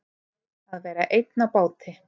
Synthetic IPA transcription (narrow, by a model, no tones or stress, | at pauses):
θaðvɛːɾaʔejt̪napaːwt̪ʰɪ